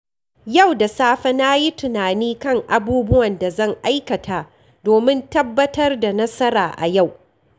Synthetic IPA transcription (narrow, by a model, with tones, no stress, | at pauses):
ja˦˨wda˨saː˦ɸɐ˦na˦ji˦tʊ˨naː˨niː˦kɐ˦˨ŋʔa˨buː˦bʊ˦wɐ˨nda˨zɐ˦˨ŋʔa˦jkɐ˨tʰaː˨ | doː˨mɪ˦ntɐ˦bːɐ˦tɐ˦rda˨nɐ˦sɐ˦ɾaː˨ʔa̰˨ja˦˨w